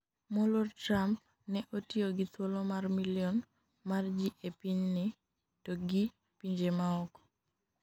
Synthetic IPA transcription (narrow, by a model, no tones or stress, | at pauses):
mɔlortɾamp̚ | nɛʔotioɡit̪wolomarmiljɔn | mard͡ʒiʔepiɲnɪ | toɡi | piɲd͡ʒemaɔkɔ̥